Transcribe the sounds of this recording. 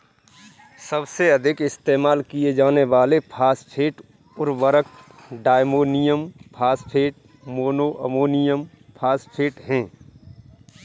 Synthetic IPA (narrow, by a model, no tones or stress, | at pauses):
sɐbseɐd̪ʱɪkɪst̪eːmaːlkijed͡ʒaːneʋaːlepʰaːspʰeːʈ | ʊɾʋəɾək̚ | ɖaːɪmoːnɪjəmpʰaːspʰeːʈ̚ | moːnoːʔəmoːnɪjəm | pʰaːspʰeːʈɦɛ̃ː